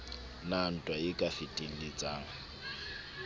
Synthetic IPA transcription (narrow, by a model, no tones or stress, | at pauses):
nan̩tʼwaɪkʼafɪtʼin̩lɪt͡sʼaːŋ̩